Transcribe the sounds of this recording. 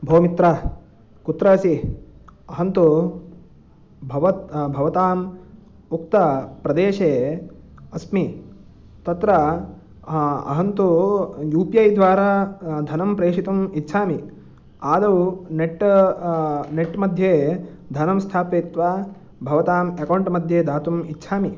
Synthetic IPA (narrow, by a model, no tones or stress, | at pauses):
bʱoːmit̪ɾa | kut̪ɾɐːsi | ɐɦɐnt̪u | bʱɐʋɐt̪bʱɐʋɐt̪aːm | ukt̪ɐpɾɐd̪eːʃeː | ɐsmi | t̪ɐt̪ɾɐ | ɐ̰ɦɐnt̪ujuːpijɐjd̪ʋaːɾaːd̪ʱɐnɐmpɾeːʂit̪umit̪ːʃʰaːmi | aːd̪ɐwneʈ | neʈmɐd̪ʱjeːd̪ʱɐnɐmst̪ʰaːpeːt̪ʋa | bʱɐʋɐt̪aːmekɐwɳʈmɐd̪ʱjeːd̪aːt̪umit̪ːʃʰaːmi